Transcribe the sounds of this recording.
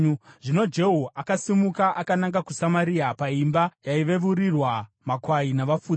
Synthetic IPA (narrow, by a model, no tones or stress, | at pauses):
ʐino̞d͡ʒe̞ɦoʔakasimukaʔakanaŋɡakusamaɾiapaimbajaiʋe̞ʋuɾirwa | makwainaʋafuː